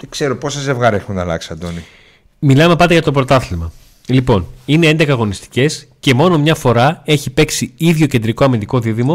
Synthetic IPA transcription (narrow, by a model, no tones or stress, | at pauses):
tekse̞ɾoposeze̞vɣɐɾexunnɐlɐ̰ksi̥ɐnd̪o̞ni | milɐme̞pɐnd̪eʝɐt̪opɾo̞t̪ɐθilmɐ | lipo̞ninee̞nd̪e̞kɐːɣo̞nist̪i̥ce̞sce̞mo̞no̞mɲɐfo̞ɾɐe̞çipe̞ksiiðʝo̞ce̞nd̪ɾiko̞ɐmind̪iko̞ðiðimo̞